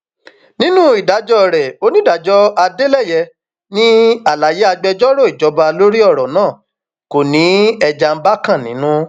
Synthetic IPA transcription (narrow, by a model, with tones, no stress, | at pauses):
nĩ˦nũ˦i˨da˨˦d͡ʒɔ˦˨ɾɛ˨o˦nĩ˦da˨d͡ʒɔ˦a˧de˦lɛ˦˨jɛ˧ | nĩ˦a˨la˨je˦a˧ɡ͡bɛ˧d͡ʒɔ˦ɾo˦˨i˨d͡ʒɔ˨˧˦ba˧lo˦ɾi˦ɔ˦˨ɾɔ˨nãː˦˨ | ko˨nĩ˨˦ɛ˧d͡ʒa˧m̩˦ba˦kã˦˨nĩ˨˦nũ˦